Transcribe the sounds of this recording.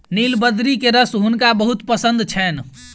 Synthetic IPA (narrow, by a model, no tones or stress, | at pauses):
nilbəd̪ɾikeɾəsɦunkabəɦut̪pəsənd̪t͡ʃʰɛn